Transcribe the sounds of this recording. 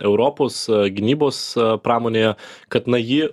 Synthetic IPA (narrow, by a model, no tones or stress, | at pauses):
ɛʊɾoːpoːsɡʲɪnʲiːboːspɾɑːmoːnʲeːjɛkɐt̪nɐjɪ